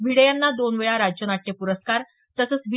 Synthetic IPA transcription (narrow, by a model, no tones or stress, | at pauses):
bʱiɽəjanːad̪onʋəɭaɾad͡ʑjənaʈʰːjepuɾəskaɾ | t̪əsəːt͡sʋi